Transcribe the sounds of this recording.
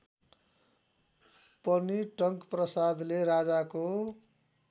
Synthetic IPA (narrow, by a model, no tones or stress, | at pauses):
pʌniʈʌŋkprʌsad̪leɾad͡zako